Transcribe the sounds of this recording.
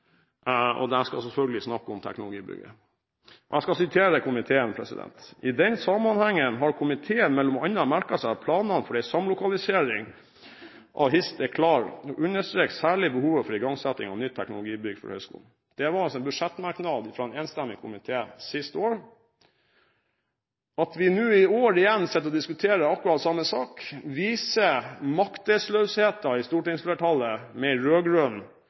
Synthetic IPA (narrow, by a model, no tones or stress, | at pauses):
ɔ̰d̪ɛnskɑsɛlfœlɡəlɪsnɑkːɔmt̪ʰɛ̰knʊlʊɡḭːbʏ̰ɡə̰ | ɔɛskɑsɪt̪ʰeːɾəkʰʊmɪt̪ʰeːənpʰɾɛsɪ̰d̪ɛ̰nt̪ɪd̪ɛnsɑmːɑnhæŋːənɦɑɾkʰʊmɪt̪ʰeːənmɛlːɔmɑnɑmæɾkɑsæpʰlɑːnɑnfɔɖɛɪsɑmlʊkɑlɪseːɾɪŋ | ʔɑ̰ʋɦɪst̪ɛkʰlɑːɾɔʔʉnːəʂt̪ɾeːksæːɭɪbəhuːʋəfɔɾɪɡɑŋsɛt̪ːɪŋɑʋnʏt̪t̪ʰɛknʊlʊɡiːbʏɡfɔ̰ɾhœ̰ʏskṵːln̩ | d̪̥ɛʋɑɾɑsɔɛbʉʂɛt̪mɑɾknɑːd̪ɪfɾɑːɛneːnst̪æmːɪkʰʊmɪt̪ʰeːsɪst̪əoːɾ | ɑt̪ʋɪnʉːɪoːɾɪjɛnːsɛt̪ːəɔd̪ɪskʉt̪ʰeːɾəɑkːʉɾɑt̪sɑmːəsɑːkʋiːsəmɑkt̪əslœːsheːt̪ɑɪst̪uːʈɪŋslɛʈʰɑlːəmɛɪɾøːɡɾœn